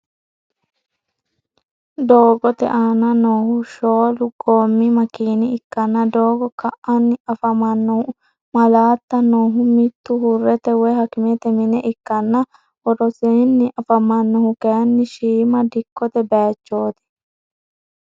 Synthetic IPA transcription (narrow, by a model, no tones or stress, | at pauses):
d̪oːɡɔt̪ɛ̰ʔaːnɐnoːhʊʃoːlʊɡoːmːimɐkiːnɪɪkːɐnːɐd̪oːɡɔkɐʔɐnːɪɐfɐmɐnːɔhʊ | mɐlaːt̪ːɐnoːɦʊmɪt̪ːʊɦʊrːɛt̪ɛwɛɦɐkɪmet̪ɛmɪnɛʔɪkːɐnːɐ | ɔɾɔseːnːɪʔɐfɐmɐnːɔhʊkenːɪʃiːmɐd̪ɪkːɔt̪ɛbeːt͡ʃːoːt̪ɛ̥